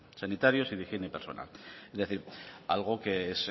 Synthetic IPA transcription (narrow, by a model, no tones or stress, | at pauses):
sanit̪aɾjo̞siðixjenepe̞ɾso̞̰na̰lezðe̞θiɾa̰lɣ̞okees